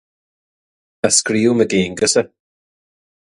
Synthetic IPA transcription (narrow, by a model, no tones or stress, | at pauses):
askɾiːuməɡeːŋɡəsə